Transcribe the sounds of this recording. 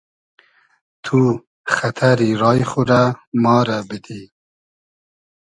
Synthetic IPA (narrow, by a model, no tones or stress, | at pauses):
t̪ʰu | χat̪ʰaɾiɾɑːjχuɾamɑːɾabɪd̪i